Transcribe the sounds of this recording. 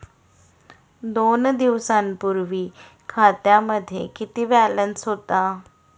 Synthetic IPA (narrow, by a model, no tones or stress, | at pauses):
d̪ond̪iʋsampuɾʋiː | kʰat̪jaməd̪ʱːjḛkit̪iːbælənsɦot̪a